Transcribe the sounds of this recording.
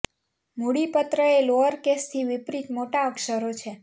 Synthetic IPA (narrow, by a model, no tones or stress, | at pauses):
muɽipət̪ɾəeloəɾkest̪ʰiʋɪpɾit̪moʈaəkʃəɾot͡ʃʰe